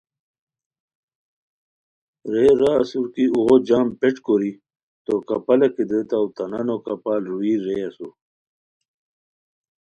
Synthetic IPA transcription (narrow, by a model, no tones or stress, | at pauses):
ɾeɾaːsuɾkiuɣod͡ʑaːmpeʈ͡ʂkoɾi | t̪okɐpɐlɐkid̪et̪awt̪ɐnanokɐpaːlɾuiɾeɐsu